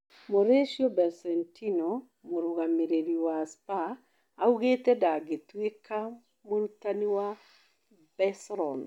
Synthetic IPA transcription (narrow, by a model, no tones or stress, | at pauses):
moɾeʃiobɛɾsɛntʰino | moɾuɣameɾeɾiwaspaː | uɣetɛdaɡetwekʰa | moɾutaniwa | bɛsɾɔn